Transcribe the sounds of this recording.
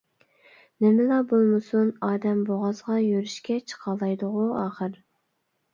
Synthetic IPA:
nɪmɪlɑbolˠmɨsunɑːd̪ɛmboʁɑzʁɑjøɾyʃkʲɛt͡ʃʰə̥qʰɑlˠɑjd̪ʊʁuɑːχəɾ

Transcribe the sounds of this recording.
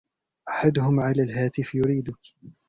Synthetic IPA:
ʔaħad̪ʊhʊmʕalaːlɦaːt̪ɪfjʊɾiːd̪ʊk

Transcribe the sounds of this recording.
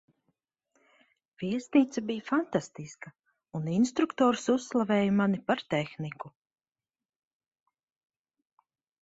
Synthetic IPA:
viɛsʲniːt̪sabijafant̪ast̪iska | uninst̪ɾukt̪ɔːɾsusːlˠavɛːjmanipaɾt̪ɛxniku

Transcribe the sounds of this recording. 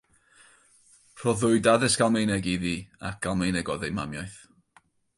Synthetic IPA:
r̥ɔðʊɨdaðɨsɡ̥alˠmejnɛɡiðiːa̰k̚ɡ̥alˠmejnɛɡɔðejma̰mjajθ

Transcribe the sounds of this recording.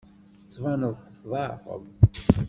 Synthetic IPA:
θə̥t͡sːvɑnəðˤt̪ːə̥θðˤɑfə̰m

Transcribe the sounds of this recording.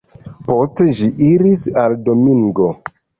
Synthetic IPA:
po̞steʒiʔiɾisaldo̞miŋɡo̞

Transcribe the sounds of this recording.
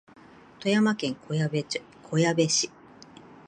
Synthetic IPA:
t̪o̞jamakẽ̞ŋk | kʰo̞jabe̞ɕi

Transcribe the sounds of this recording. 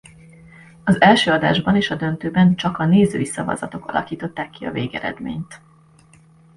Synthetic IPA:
ɒzɛlʃøːɒd̪a̰ːʒbɒneːʃɒd̪ønt̪øːbɛnt͡ʃɒkɒneːzø̰ːisɒvɒ̰zɒt̪o̞kɒ̰lɒ̰kiːt̪o̞t̪ːaːkːiɒ̰veːɡɛɾɛ̰d̪mḛːɲt̪

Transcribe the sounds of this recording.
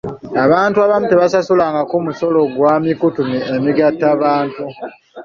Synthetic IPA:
aβaːntuaβamute̞βasasulaːŋɡakumuso̞lo̞ɡwaːmikutumiemiɡatːaβaːntu

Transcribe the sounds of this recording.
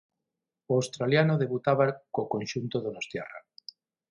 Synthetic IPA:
awst̪ɾaljanoðeβut̪aβakokonʲʃunt̪oðonost̪jḛra̰

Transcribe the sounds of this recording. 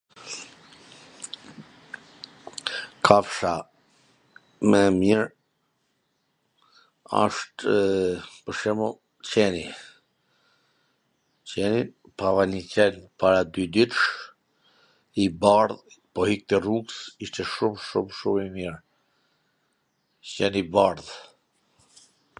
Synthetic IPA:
kʰafʃa | mɛmiɾ | a̰ʃt̪ | pəʃɛmɔ | t͡ɕɛni | t͡ɕɛnin | pavanicɛnpaɾad̪yd̪it̪ʃ | ibaɾðpɔhik̚t̪ɛruɡsiʃt̪ɛʃumʃumʃumimiɹ | t͡ɕɛnibaɾð

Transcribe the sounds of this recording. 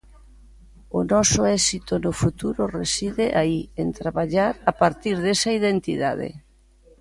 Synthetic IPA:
ʊnɔsʊɛsit̪onʊfut̪uɾʊresiðeʔaient̪ɾaβaʎaɾapaɾt̪iɾðesaiðent̪ḭða̰ðḛ

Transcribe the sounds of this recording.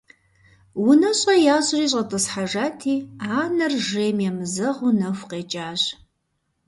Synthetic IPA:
wʊnɐɕʼɐjaːɕriːɕ̬ʼɐtʼɨsħaʒaːtʰiːaːnɐrʒeːmjɛmɨzɐʁunɐfʷqʼeːt͡ʃʼaːɕ

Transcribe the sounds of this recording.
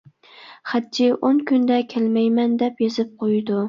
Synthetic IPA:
χad̪̚d͡ʒɪʔonkʲʰʊnd̪akʲʰelmajmand̪epjezɪp̚qʰojd̪ʊ

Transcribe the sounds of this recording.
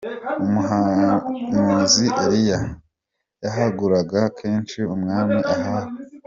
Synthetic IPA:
umuɦa | muːziʔeɾija | jaɦaɡuɾaɡakʰe̞ːnt͡ʃiumŋaːmiʔaɦahe

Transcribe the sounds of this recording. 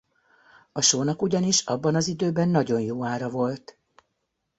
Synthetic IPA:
ɒʃoːnɒkuɟɒniʃɒbːɒnɒzid̪øːbɛnːɒɟo̞njoːaːɾɒvo̞lt̪

